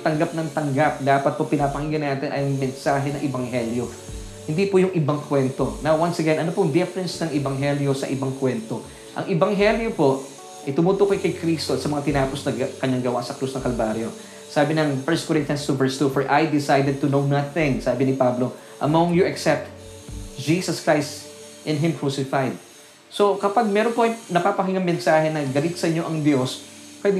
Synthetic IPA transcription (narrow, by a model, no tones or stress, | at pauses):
t̪ɐŋɡap̚nɐŋt̪ɐŋɡap̚d̪aːpɐt̪̚popɪnapɐhiɡɪnaːt̪ɪnʔɐjŋmɛnsaːɦɛnɐŋʔɛbɐŋɦɛljo | hɪnd̪ipʊjʊŋʔɪbaŋkwɛnt̪o̞nawwansɐɡɛnʔɐnopoŋd̪ɛfɛɾɛnsnɐŋʔɛbɐŋɦɛljo̞sɐ̰ʔɪbaŋkwɛnt̪o | ʔɐ̰ŋʔɪbɐŋɦɛljopo̞ʔ | ʔɐjt̪ʊmut̪okɐkɐjkɾist̪osɐmɐŋat̪ɪnaːposnɐɡkɐɲaŋɡɐwa̰ʔsɐkɾusnɐŋkɐlbaːɾjo̞ | saːbɪnɐŋfɛɹst̪̚kɔɾɪnt̪jɐnst̪uvɛɹst̪ufɔɹʔajd̪ɪsajd̪ɛd̪̚t̪ʊnownɐθɪ̃ŋsaːbɪnɪpablo̞ | ʔɐmoŋjuɐksɛp̚t̪ | d͡ʒiːsɐskɹajst̪ | ʔɪ̃nɦɪ̃mkɹusɪfajd̪̚ | so̞kɐpaɡ̚mɛɾonpoʔɐjnɐpapɐhɪŋɐŋmɛnsaːhɛnɐɡɐlɪt̪sɐʔɪɲːo̞ʔɐŋd̪jo̞s | pwɛd̪ɪ